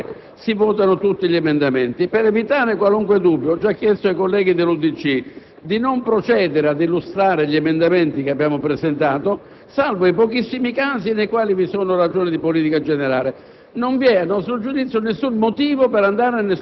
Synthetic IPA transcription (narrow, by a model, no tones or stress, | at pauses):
sivɔːt̪̬anʊt̪ut̪ːiʎiemend̪amɛnt̪ipeɾevit̪aːɾekwaluŋkwed̪ubːjɔt͡ʃːakːjɛst̪oajkolːɛːɡid̪elːud̪it͡ʃːi | d̪inompɾot͡ʃɛːd̪eɾead̪ilːust̪ɾaːɾeʎiemend̪amɛnt̪ikeabːjaːmopɾezent̪aːt̪o | salvoapɔkisːimikaːsinejkwaːlivisoːnorad͡ʒoːnid̪ipoliːt̪ikad͡ʒɛneɾaːle | noɱvjɛanːɔst̪ɾod͡ʒud̪it̪sjʊnesːunmot̪iːvopeɾand̪aːɾeanːe